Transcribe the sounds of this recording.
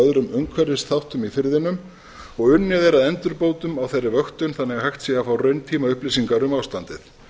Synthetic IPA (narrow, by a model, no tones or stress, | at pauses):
œðɾʏmœŋkʰvɛɾðɪst̪θawht̪ʏmifɪɾðɪnʏm | ɔɣʏnːɪðeɾaðɛnt̪ʏɾpoːwt̪ʏmawθejrːɪvœxt̪ʏnθanːɛɣahajxt̪siafawrœɥnt̪ʰiːmaʏhplɪsiŋkaɾʏmaːwst̪ant̪ɪθ